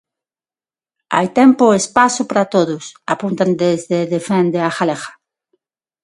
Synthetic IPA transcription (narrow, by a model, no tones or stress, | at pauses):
a̰jt̪ɛmpoespasʊpaɾat̪oðʊsapunt̪and̪ezðeðefɛnd̪eaxalexḁ